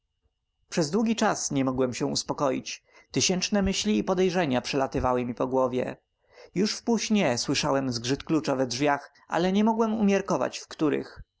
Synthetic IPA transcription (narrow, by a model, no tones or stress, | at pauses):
pʂɛzd̪wuɡʲit͡ʂasɲɛmɔɡwɛmɕɛ̃ṵspɔkɔjḭt͡ɕ | t̪ɘɕɛnt͡ʂnɛmɘɕlʲiːpɔd̪ɛjʐɛɲapʂɛlat̪ɘvawɘmʲipɔɡwɔvʲjɛ̰ | juʂfpuɕɲɛswɘʂawɛmzɡʐɘt̪klut͡ʂavɛdʐvʲjax | ʔa̰lɛɲɛmɔɡwɛmumʲjɛɾkɔva̰t͡ɕfkt̪uɾɘ̰x